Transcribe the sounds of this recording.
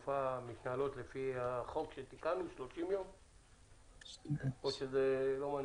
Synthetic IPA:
famitnalo̞t̪lefihaχo̞kʃet̪ikanuʃlo̞ʃimjom | oʃezelo̞man

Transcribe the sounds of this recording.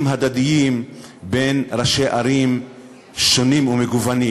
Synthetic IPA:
mɦad̪ad̪ijim | benɾaʃeʔaɾim | ʃonimumeɡuvani

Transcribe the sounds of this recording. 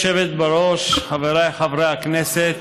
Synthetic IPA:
ʃevet̪̚baɾoʃχaveɾajχavɾeakneset̪

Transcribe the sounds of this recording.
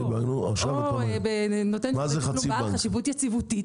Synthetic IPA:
ibanua̰χʃavbenot̪enmazeχanusiaaχaʃivut̪jat͡sivutit

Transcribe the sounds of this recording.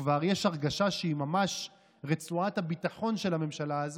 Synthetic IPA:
vaʁjeʃaʁɡaʃaʃeimamaʃ | ʁet͡suathabit̪aχo̞nʃe̞lame̞mʃalaaz

